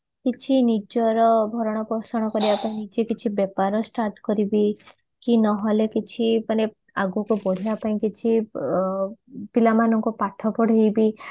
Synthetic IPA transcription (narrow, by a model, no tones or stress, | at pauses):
kit͡ʃʰinid͡ʒɔɾɔbʱɔɾɔɽ̃ɔpɾɔsɔɽ̃ɔkɔɾibapaĩnid͡ʒekit͡ʃʰibepaɾɔsʈaɾʈkɔɾibi | kinɔɦɔlekit͡ʃʰipane | aɡukubɔɽ̤iapaĩkit͡ʃʰi | pilamanɔŋkupaʈʰɔpɔɽ̤ʱejbi